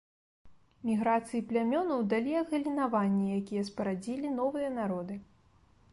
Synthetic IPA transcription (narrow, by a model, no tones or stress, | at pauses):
mʲiɣɾat̪sɨjiplʲamʲɔnɐwd̪alʲiɐɣɐlʲinavanʲːɛjakʲijɛspɐɾad͡zʲilʲinɔvɨjɐnaɾɔd̪ɨ